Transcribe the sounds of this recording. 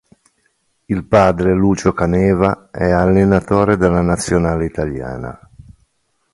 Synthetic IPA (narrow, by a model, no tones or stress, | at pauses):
ilpaːd̪ɾeluːt͡ʃokanɛːvaɛalːenat̪oːɾed̪elːanat̪sːjonaːleit̪alja̰ːna̰